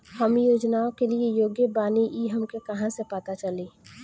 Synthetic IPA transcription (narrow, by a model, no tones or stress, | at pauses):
hɐmjoːd͡ʒnaõkeliejoːɡjəbaːniʔiɦɐmkekɐɦãsepət̪at͡ʃɐliː